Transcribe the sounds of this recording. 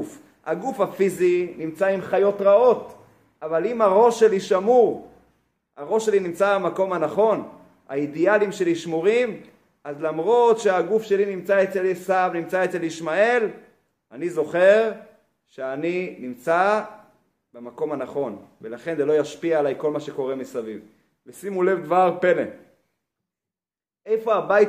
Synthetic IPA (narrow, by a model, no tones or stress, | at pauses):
f | ha̰ɡufhafizinimt͡saimχajo̞tʁao̞t | ʔavalimaʁo̞ʃe̞liʃamuʁ | aʁo̞ʃe̞linimt͡sabemako̞mhanaχo̞n | a̰idialimʃe̞liʃmuʁim | azlamʁo̞tʃeaɡufʃe̞linimt͡saet͡selesavnimt͡saet͡se̞liʃmae̞l | anizo̞χe̞ʁ | ʃeaninimt͡sa | bemako̞manaχo̞nvelaχe̞nzelo̞jaʃpiaalajko̞lmaʃe̞ko̞ʁe̞misaviv | vesimule̞vd̪vaʁpelḛ | ejfo̞abaj